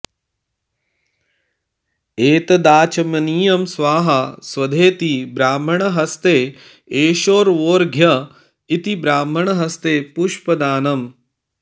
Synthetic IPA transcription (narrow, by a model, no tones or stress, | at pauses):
eːt̪ɐd̪aːt͡ʃɐmɐniːjɐmsʋaːɦɐsʋɐd̪ʱeːt̪ibɾaːm̤ɐɳɐɦɐst̪eː | eːʃoːɾʋoːɾɡʱjɐ | it̪ibɾaːm̤ɐɳɐɦɐst̪eːpuʃpɐd̪aːnɐm